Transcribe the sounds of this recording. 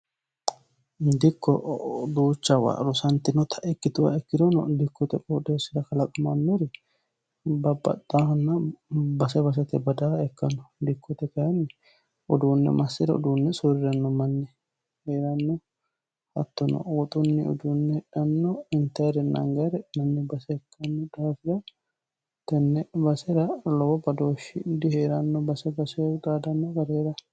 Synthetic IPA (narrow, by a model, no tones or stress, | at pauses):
d̪ɪkːɔ̰d̪uːt͡ʃːɐwa̰ɾʊsɐnt̪ɪnɔt̪ʰɐʔɛkːɪt̪ʊwa̰ɛkːɪd̪ɔnɔ̰d̪ɪkːɔt̪ɛkʼɔd̪eːsɪɾɐkɐlɐkʼɐma̰mːeɾɛ | bɐbːɐ̰d̪aːhɔnːɐbɐsɛbɐs̬ɐt̪ɛbɐd̪aːɛkːɐnɔd̪ɪkːɔt̪ɛkɐjɛnːɛ | ɔd̪uːnːɛ̰mɐsːɪɾɐɔ̰d̪uːnːɛsʊɾɪɾɐnːɔmɐnːɛ | heːɾɐnːɔ | hɐ̰t̪ːɔnɔ̰ɔt̪ʼʊnːɪʊ̰d̪unːɛhɛᶑɐnːɔɪnt̪ɐɾɛnːɐ̰ŋɡɐɾɛmɐnːɛbɐsɛɛkʰːɐnːɔd̪aːfɪɾɐ | t̪ɛnːɛbɐsɛɾɐlɔwɔbɐd̪oːʃɪ̰d̪ɪheːɾɐnːɔbɐsɛbɐsɛd̪aːd̪ɐnːɔɡɐɾeːɾɐ